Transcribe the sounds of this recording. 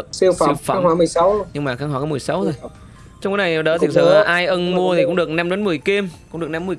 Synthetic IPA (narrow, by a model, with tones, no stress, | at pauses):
si˧fai˧wfa˧˩hwaː˧˦mɨ˨˩əjsa˨˦wɲɨ˧ŋmaː˨˩xaː˧kŋɦaː˧˩kːmɨ˨˩əjsa˨˦wzo˨˩j | t͡ɕɔ˧ŋ͡mkaː˨˦na˨˩jɗə˨˦t̪ʰi˨˩sə˧˩˨ʔaː˧jʔə˧nmu˧ət̪ʰi˨˩kʊ̰˧˥ŋ͡mɗɨ˨˩ək̚na˧mɗa˨˦nm˨˩əjke˧mkʊ˧˥ŋ͡mɗɨ˨˩ək̚na˧mː˨˩ə